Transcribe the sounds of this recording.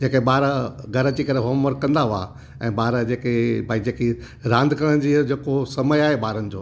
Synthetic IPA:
d͡ʑeːkeɓaːɾɡʱɐɾət͡ɕikɐɾeɦomːəɾkɐ̃nd̪aɦʊa̰ | ɛ̃ːɓaːɾd͡ʑeːkebʱaːid͡ʑeːki | ɾãːnd̪ʱkəɽə̃d͡ʑiːd͡ʑeːkosɐməjaːɦeɓaːɾənɪ̆d͡ʑoː

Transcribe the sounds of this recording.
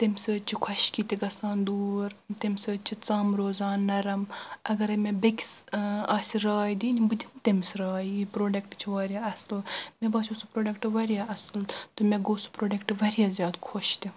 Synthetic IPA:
t̪emʲsəːt͡ʃʰikʰɐʃkiːt̪iɡɐsaːnd̪uːɾt̪emʲsəːt͡ʃʰit͡saːmɾoːzaːnːɐɾɐmʔɐɡɐɾɐmebekʲsɐːsʲiɾaːjd̪iːnʲibɨd̪ʲint̪emʲsɾaːiipɾoːɖɐkʈt͡ʃʰiʋaːɾʲjaːɐslmẽbaːsʰʲosupɾoːɖɐkʈʋɐɾjaʔɐsɨlt̪omeɡoːsu̥pɾoːɖɐkʈʋɐɾijaːzʲjaːd̪kʰoʃt̪i

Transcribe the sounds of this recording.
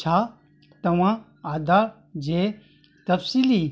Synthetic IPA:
t͡ʃʰa | t̪ɐwã | aːd̪aːɾ | d͡ʒe | t̪ɐfsili

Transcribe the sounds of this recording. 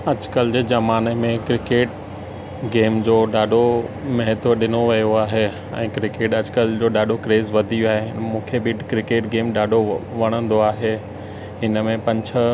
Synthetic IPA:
ɐd͡ʑkəld͡ʑeːzɐmaːnemẽkɾɪkeːʈ | ɡeːmd͡ʑoːɗaːɖʱomɐɦɪt̪əɗɪnoʋijoaːɦe | ɛ̰̃ːkɾɪkeːʈɐd͡ʑkəld͡ʑoːɗaːɖʱokɾeːzʋɐd̪ʱiiaːɦemũːkʰebɪkɾɪkeːʈɡeːmɗaːɖʱoʋɐɽ̃ə̃nd̪oaːɦeː | ɦɪnə̆mẽpɐ̃ɲd͡ʑʰə̆

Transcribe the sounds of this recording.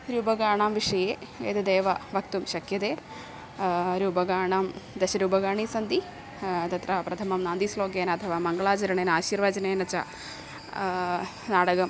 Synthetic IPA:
ɾuːbɐɡaːɳaːmʋiʂɐjeːeːt̪ɐd̪eːʋɐʋɐk̚t̪umɕɐkʰjɐd̪eː | ɾuːbɐɡaːɳaːmd̪ɐɕɐɾuːbɐɡaːɳisɐnd̪i | t̪ɐt̪rɐpɾɐt̪ʰɐmɐmnaːnd̪isloːɡeːnɐt̪ʰɐʋaːmɐŋɡɐɭaːt͡ɕɐɾɐɳeːnaːɕiːrʋɐd͡ʑɐneːnɐt͡ɕːɐ̰ | naːɽɐɡɐm

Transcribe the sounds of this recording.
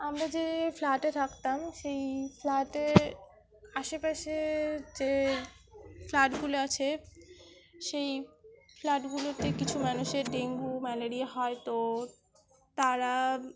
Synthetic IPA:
amɾad͡ʑeflaʈet̪ʰakt̪amʃejflaʈeɾ | aʃepaʃed͡ʑe | flaʈɡuloat͡ɕʰe | ʃejflaʈɡulot̪ekit͡ɕʰumanuʃeɾɖeŋɡumɛleɾiaɦɔet̪o | t̪aɾa

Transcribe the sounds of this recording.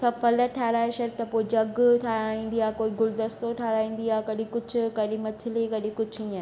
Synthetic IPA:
kʰɐpɐləʈʰaːɾaːeʃɐt̪ɐpoːid͡ʑɐɡʈʰaɾaːĩːnd̪iaːɦkoːiɡʊld̪əst̪oʈʰaːɾaːĩːn̆d̪iaːkɐɗĩkʊd͡ʑʱʊkɐɗĩmɐt̪ʰɪlikɐɗĩkʊd͡ʑʱĩaː

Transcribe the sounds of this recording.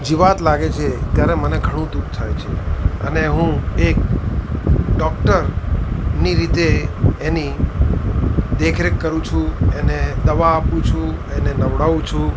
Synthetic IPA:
d͡ʒeʋat̪laɡet͡ʃʰet̪jaɾeməneɡʱəɽ̃ũd̪ukt̪ʰajt͡ʃʰeəneɦũek | ɖɔk̚ʈəɾ | niɾit̪eeni | d̪ekʰɾekːəɾũt͡ʃʰũened̪əʋaːpũt͡ʃʰũ | enenəʋɽaʋũt͡ʃʰũ

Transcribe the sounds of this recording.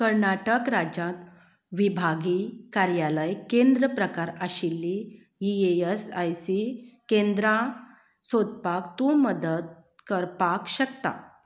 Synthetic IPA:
kəɾɳaʈəkɾad͡ʑãt̪ | ʋibʱaɡikaɾjaləjkẽnd̪ɾəpɾəkaɾaɕilːi | ieəsajsikẽnd̪ɾã | sod̪̚pakt̪uməd̪əd̪̚ | kəɾpakɕəkt̪a̰

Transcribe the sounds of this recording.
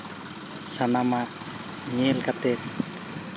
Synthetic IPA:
sanama | ɲiɛlkat̪ɛt̪̚

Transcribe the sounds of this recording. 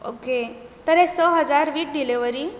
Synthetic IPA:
oket̪əɾesəɦəd͡zaɾʋiːʈ̚ɖileʋəɾi

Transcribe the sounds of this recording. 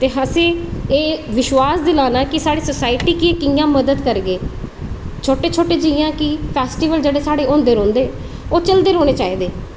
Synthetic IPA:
t̪eːɦəsẽːeːʋɪʃwaːsd̪ɪlaːnaːkɪsaːɽiːsəsaːɪʈiːkɪẽːkɪjãːməd̪əd̪kəɾɡeː | t͡ʃʰoːʈeːt͡ʃʰoːʈeːd͡ʒɪjãːkɪpʰɛːsʈiːʋəld͡ʒeːɽeːsaːɽeːõːnd̪eːɾõːnd̪eː | oːt͡ʃəld̪eːɾoːneːt͡ʃaːiːd̪eː

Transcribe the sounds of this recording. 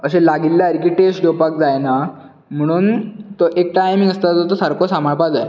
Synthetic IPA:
əɕelaɡilːaəɾkiːʈesʈd͡ʑopak̚d͡zajna | m̤əɽ̃uːnt̪oʔek̚ʈajmiŋəst̪ad͡zot̪osaɾkʰosam̤aɭpad͡zae

